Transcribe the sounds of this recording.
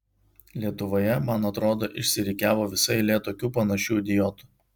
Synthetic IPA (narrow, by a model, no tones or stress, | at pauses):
lʲiɛt̪ʊʋoːjɛmɐnɐt̪ɾoːd̪oːʔɪʃʲsʲɪɾʲɪkʲæːʋoːʋʲɪsɐɪlʲeːt̪oːkʲuːpɐnɐʃʲuːd̪ʲɪjɔt̪ʊ̥